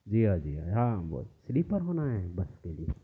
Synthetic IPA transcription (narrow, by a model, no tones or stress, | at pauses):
d͡ʒiːɦad͡ʒiːɦa̰ɦãʋo̰slipəɾbɐnaẽɛ̃bɐskelie